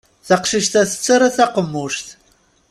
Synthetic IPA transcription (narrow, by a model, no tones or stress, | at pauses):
θɐqʃɨʃt̪ʰɐθɨ̥t͡sʼːɐɾɐθɐqəmuʂt̪